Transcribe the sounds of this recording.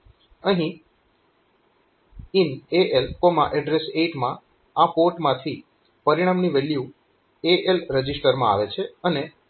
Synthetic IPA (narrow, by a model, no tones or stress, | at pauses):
əɦĩ | ineʔelkomã̰ʔɛɖɾeseʈmã | apoɾʈmãt̪ʰi | pəɾiɽ̃amniʋɛlju | eʔelɾəd͡ʒisʈəɾmã̰a̰ʋet͡ʃʰeəne